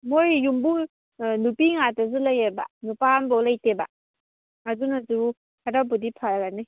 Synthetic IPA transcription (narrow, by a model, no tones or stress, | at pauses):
mojjumbu | nupiŋatazɯlajaba̰nupambɔlajteba̰ | adunazuu | hadabudipʰajaɡani